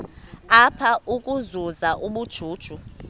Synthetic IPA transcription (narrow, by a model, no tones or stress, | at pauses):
apʰaʔukʼuzuzaʔuɓud̥ʒ̥ʱuːd̥ʒ̥ʱu